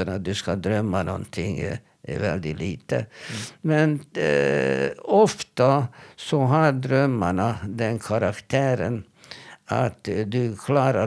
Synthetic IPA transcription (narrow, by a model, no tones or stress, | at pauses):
ənɑt̪̚d̪ʉskɑd̪ɾœmːanɔ̰nt̪ʰɪŋ | ʋɛld̪ɪliːt̪ə̰mɛn | ɔft̪asɔɦɑɖɾœmːaɳad̪ɛnkʰaɾakt̪ʰæːɾən | ɑt̪d̪ʉkʰlɑːɾa